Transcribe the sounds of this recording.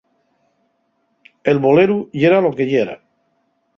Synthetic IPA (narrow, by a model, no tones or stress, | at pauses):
elβoleɾuʝeɾalo̞ke̞ʎeɾa̰